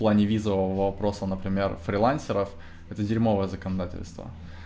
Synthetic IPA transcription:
plˠanʲɪvʲizəvəvəvəvɐpɾo̞sənəpɾʲɪmʲerfɾʲɪlˠanʲsʲɪɾəf | ɛt̪ədʲɪɾʲmo̞vəjəzəkənɐd̪atʲɪ̰lʲst̪və̰

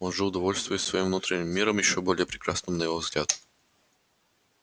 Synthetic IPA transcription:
onʐɨʊd̪ɐvolʲst̪vʲʊjʊsːvɐjimvnut̪ɾʲɪnʲɪmːʲiɾəmjɪɕobolʲɪjəpɾʲɪkɾasnɨmnɐjɪvovzɡlʲad̪

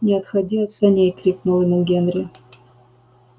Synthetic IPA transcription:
nʲɪɐt̪xɐdʲiɐt̪sɐnʲejkɾʲiknʊlˠɨnuɡʲenɾʲɪ

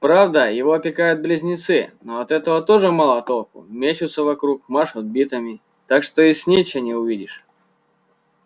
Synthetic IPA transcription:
pɾavd̪əjɪvoɐpʲɪkajʊt̪̚blʲɪzʲnʲɪt̪sɨnoɐt̪ɛt̪əvət̪o̞ʐɨmalˠɐt̪olˠkʊ̰mʲet͡ɕʊt̪səvɐkɾukmaʂɐd̪̚bʲit̪əmʲɪ | t̪akʂt̪oisʲnʲit͡ɕɪnʲɪʊvʲidʲɪʂ

